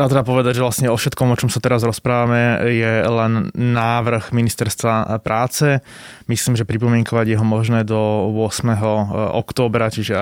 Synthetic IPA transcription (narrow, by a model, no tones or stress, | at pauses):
at̪ɾɛb̪apɔʋɛd̪aɟʒɛʋlastɲɛɔfʃɛt̪kɔmɔt͡ʃɔmsat̪ɛɾazɾɔspɾaːʋamɛjɛlɛnːaːʋr̩ɣminist̪ɛɾst̪ʋapɾʔaːt͡sɛ | misliːmʒɛpɾipɔmɪɛŋkɔʋaɟjɛɦɔmɔʒnɛːd̪ɔʊɔsmɛɦɔɔ̰kt̪ɔːbɾat͡ʃiʒɛ